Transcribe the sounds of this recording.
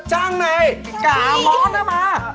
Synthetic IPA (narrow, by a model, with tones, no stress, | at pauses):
t͡ɕa˧˩ŋna˧j | kaː˨lɔ˦˥na˧ma˧˦